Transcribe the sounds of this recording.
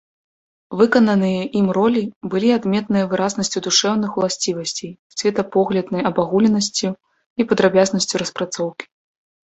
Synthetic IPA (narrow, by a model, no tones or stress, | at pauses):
vɨkɐnɐnɨjɐʔimrɔlʲibɨlʲiad̪mʲɛt̪nɨjɐvɨɾaznɐsʲt͡sʲud̪uʂɛwnɨxulˠasʲt͡sʲivɐsʲt͡sʲejsʲvʲɛt̪ɐpɔɣlʲɐd̪nɐjɐbaɣulʲɛnɐsʲt͡sʲu | ipɐd̪ɾabʲaznɐsʲt͡sʲuɾɐspɾat̪sɔwkʲi̥